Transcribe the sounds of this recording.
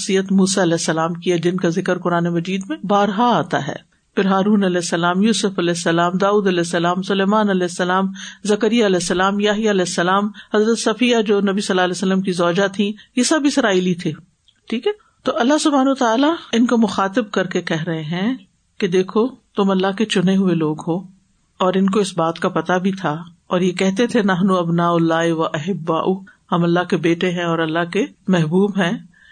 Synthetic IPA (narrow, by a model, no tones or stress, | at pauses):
sijət̪muːsaɐlɛːsːɐlaːmkiad͡ʒɪnkazɪkəɾkʊɾaːnemɐd͡ʒiːd̪mẽbaːɾɦaaːt̪a̰ɦɛ̰ː | pɪɾɦaːɾuːnɐlɛːsːɐlaːmjuːsʊfɐlɛːsːɐlaːmd̪aːuːd̪ɐlɛːsːɐlaːmsʊleːmaːnɐlɛːsːɐlaːmzɐkəɾijaɐlɛːsːɐlaːmjaːɦijaɐlɛːsːɐlaːmhɐzɾət̪sɐfijad͡ʒoːnɐbisɐlːaːlɛːsəlːəmkizɔːd͡ʒat̪ʰĩjesɐbʱisɐɾaːɪlit̪ʰeː | ʈʰiːkɛː | t̪oːʔɐlːaɦsʊbʱaːnːt̪aːlaɪnkomʊxaːt̪ɪb̚kɐɾkekɛɦɾɐɦeɦɛ̃ | ked̪eːkʰot̪ʊmɐlːaɦket͡ʃʊneɦʊeloːɡɦoː | ɔːɾɪnkoɪsbaːt̪kapɐt̪abʱit̪ʰa | ɔːɾjekɛɦt̪et̪ʰenɐɦnuɐbnaːʊlːaːiʋɐʔɐɦɪbːa̰ːʔuhɐmɐlːaɦkebeːʈeɦɛ̃ɔːɾɐlːaɦkemɛɦbuːbɦɛ̃ː